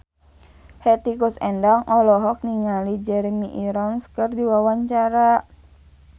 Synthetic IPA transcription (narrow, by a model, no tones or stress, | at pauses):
hɛt̪ikusɛndaŋʔɔlɔɦɔk̚niŋalid͡ʒɛɾɛmiʔiɾɔnskɨrdiwawaɲt͡ʃaɾa